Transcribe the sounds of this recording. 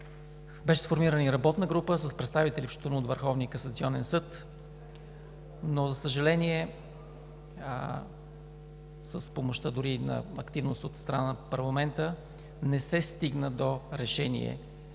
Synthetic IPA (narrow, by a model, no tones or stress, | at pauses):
bɛʃɛsfoɾmiɾəniɾɐbɔt̪nəɡɾupəsəspɾɛt̪st̪avit̪ɛlifʃt̪onuot̪vəɾxɔvniəkəsɐt̪siɔnɛnsɤt̪ | nozəsəʒɐlɛnʲiɛ | səspomoʃt̪əd̪ʊɾinɐ̰ɐkt̪ivnost̪ot̪st̪ɾɐnanəpɐɾlˠɐmɛnt̪ə | nɛsɛst̪iɡnəd̪oɾɛʃɛnḭɛ̰